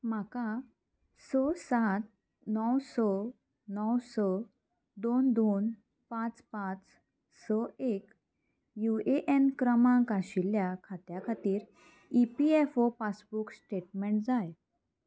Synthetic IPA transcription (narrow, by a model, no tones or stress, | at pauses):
m̤aka | sɔsat̪̚ | nɔwsɔ | nɔwsɔ | d̪ond̪on | pãt͡spãt͡s | sɔek | jueʔenkɾəmãŋkaɕiljakʰat̪jakʰat̪iːɾ | ipiefopasbuksʈeʈmɛ̃ɳʈd͡zaj